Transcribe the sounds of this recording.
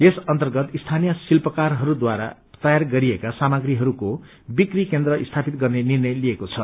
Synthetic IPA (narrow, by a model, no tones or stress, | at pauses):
esʌnt̪ʌrɡʌt̪ist̪ʰanijʌsilpʌkarɦʌɾud̪waɾa̰ | t̪ʌjarɡʌɾiekasamaɡɾiɦʌɾuko | bikrikend̪ɾʌʔist̪ʰapit̪̚ɡʌrnenirnʌjliekot͡sʰʌ